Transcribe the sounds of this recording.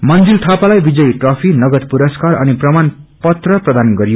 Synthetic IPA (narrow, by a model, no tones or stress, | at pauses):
mʌnd͡zilt̪ʰapalajbid͡zʌjʈrʌpʰinʌɡʌd̪puɾʌskarʌniprʌmanpʌt̪rʌprʌd̪anɡʌɾijo